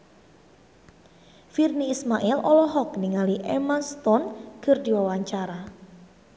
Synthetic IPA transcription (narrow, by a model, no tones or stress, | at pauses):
firniːsmaʔɛlɔlɔɦɔk̚niŋaliʔɛmast̪ɔnkʰɨrdiwawaɲt͡ʃaɾa